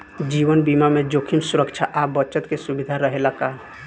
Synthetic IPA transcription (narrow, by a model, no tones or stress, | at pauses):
d͡ʒiwənbimamẽd͡ʒokʰimsuɾəkt͡ʃʰaʔabət͡ʃət̪kesubid̪ʱaɾəɦelaka